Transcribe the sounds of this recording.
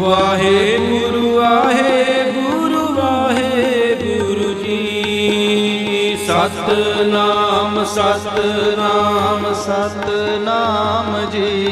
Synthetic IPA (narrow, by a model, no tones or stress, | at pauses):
ʋaːɦebuɾuaɦebuɾuʋaɦebuɾud͡ʒi | isɐt̪namsɐt̪naːmsɐt̪namd͡ʒi